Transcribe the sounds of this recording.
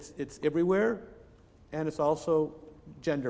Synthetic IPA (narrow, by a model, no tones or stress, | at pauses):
tsɨtsɛvɹiwɛɹ | ɨ̃ñɨtsɔlˠsoʊd͡ʒɛ̃ndə